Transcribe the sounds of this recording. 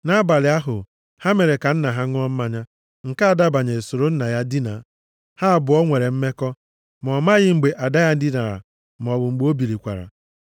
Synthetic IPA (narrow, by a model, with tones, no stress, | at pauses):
na˦ba˨lɪ˨a˦ɦʊ˨ | ha˦me˨ɾe˨ka˨n̩˦na˨ɦa˦ŋ˦ɔ˦m̩˦ma˨ɲa˦ | ŋ̩˨ka˦a˨da˦ba˨ɲe˨so˨ɾo˦n̩˦na˨ja˦dɪ˦na˨ | ha˦a˦˨bʊ˨ɔ˦ŋʷe˨ɾe˨m̩˦me˦kɔ˦ | m˨ɔ˨ma˦ɣɪ˦ŋ͡m̩˨ɡ͡be˨ʔa˨da˦ja˦n̩˦dɪ˦na˨ɾa̰˨ | m˨ɔ˨bʊ˨ŋ͡m̩˨ɡ͡bo˦bi˨ɾi˨kʷa̰˨ɾa̰˨